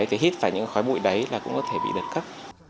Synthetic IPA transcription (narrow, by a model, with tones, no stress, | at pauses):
jt̪ʰi˨˩hi˦˥t̚faː˧˩jɲɨ̰˧˥˧xɔ˨˦jɓṵ˧˨jɗə˨˦jlaː˨˩kʊ̰˧˥ŋ͡mkɔ˨˦t̪ʰe˧˩ɓḭ˧˨ɗəː˨˩t̚kə˦˥p̚